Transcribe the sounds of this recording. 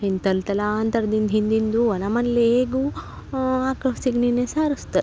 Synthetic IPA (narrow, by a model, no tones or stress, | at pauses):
int̪ɐlt̪ɐlaːnt̪ɐɾd̪ind̪ɦind̪ind̪uɐnɐmɐnleeːɡu | aːkɐsiɡninesaːɾust̪ɐ